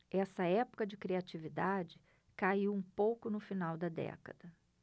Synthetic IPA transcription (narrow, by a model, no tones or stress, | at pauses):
ɛsɐɛpʊ̥kɐd͡ʒɪkɾiat͡ʃivid̪ad͡ʒɪ | kaiwũpowkʊnʊfinawd̪ɐd̪ɛ̰kɐ̰d̪ɐ